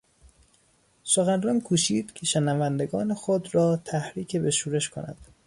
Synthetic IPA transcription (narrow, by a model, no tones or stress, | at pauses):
soxænrɒːnkʰuːʃiːd̪̥cʰeʃenævænd̪e̞ɡɒːnexod̪ɾɒːt̪ʰæhɾiːcʰe̞beʃuːɾe̞ʃkʰo̰næ̰d̪̥